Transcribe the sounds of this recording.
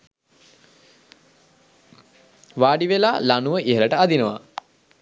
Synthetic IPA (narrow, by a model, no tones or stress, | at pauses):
ʋaːɖiʋelaːlanuʋəʔiɦələʈəad̪inəʋa̰